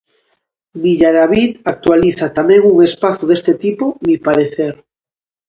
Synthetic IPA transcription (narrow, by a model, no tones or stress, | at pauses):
biʎaɾaβit̪ak̚t̪waliθat̪amẽŋuŋespaθuðest̪et̪ipomipaɾeθeɾ